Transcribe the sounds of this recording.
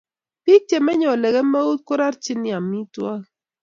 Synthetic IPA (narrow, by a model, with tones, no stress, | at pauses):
pi˦k̚te˨mɛ˦ɲɔ˨lɛ˨ɡɛ˦mɛ˦u˦t̪̚ko˦ɾa˦ɾt͡ʃɪ˦ni˦a˨mi˦twa˦